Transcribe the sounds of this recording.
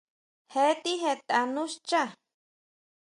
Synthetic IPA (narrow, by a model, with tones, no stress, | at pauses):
he˧˦t̪i˦ɦe˧t̪a˨nũ˦ʃt͡ʃa˦